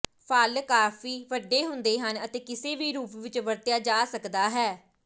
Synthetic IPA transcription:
pʰaːlkaːpʰiːʋəɖːeːɦʊnd̪eːɦənət̪eːkɪseːʋiːɾuːpʋɪt͡ʃʋəɾt̪jaːd͡ʒaːsəkd̪aːɦɛː

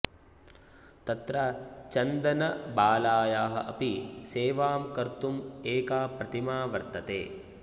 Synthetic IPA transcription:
t̪ɐt̪ɾɐt͡ʃɐnd̪ɐnɐbaːlaːjaːɦɐ̰ʔɐpiseːʋaːmkɐɾt̪umeːkaːpɾɐt̪imaːʋɐɾt̪ɐt̪ḛː

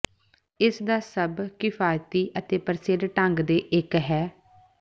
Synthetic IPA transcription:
ɪsd̪aːsəbkɪfʰaːjt̪iːʔət̪eːpəɾselʈəŋɡd̪eːʔɪkɦɛː

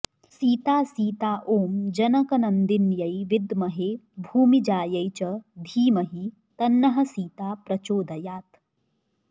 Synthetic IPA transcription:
siːt̪aːsiːt̪aːʔoːmd͡ʒɐnɐkɐnɐnd̪injɐjʋɪd̪mɐɦeːbʱuːmid͡ʒaːjɐjt͡ʃɐd̪ʱiːmɐɦi | t̪ɐnːɐɦɐ̆siːt̪aːpɾɐt͡ʃoːd̪ɐjaːt̪

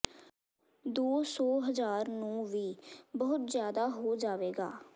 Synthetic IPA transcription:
d̪oːsɔːɦəzaːɾnũːʋiːbəːʊt̪zjaːd̪aːɦoːd͡ʒaːʋeːɡa̰ː

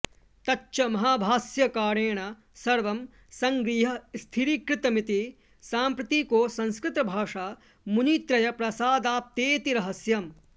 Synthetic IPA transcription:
t̪ɐtːʃɐmɐɦaːbʱaːsjɐkaːɾeːɳɐ | sɐɾʋɐm | sɐŋɡɾiːɦɐst̪ʰiɾikɾɪt̪ɐmit̪i | saːmpɾɐt̪ikoːsɐ̃nskɾɪt̪ɐbʱaːʂaː | muniːt̪ɾɐjɐpɾɐsaːd̪aːp̚t̪eːt̪iɾɐɦɐsjɐm

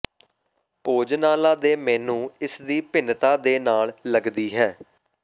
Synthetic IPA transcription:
poːd͡ʒnaːlaːd̪eːmɛːnũːɪsd̪iːpɪnt̪aːd̪eːnaːlləɡd̪iːɦɛː

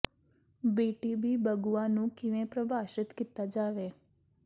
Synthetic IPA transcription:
biʈibibəɡuanũkiʋẽpɾəbʱaʃɪt̪kit̪ːad͡ʒaʋe

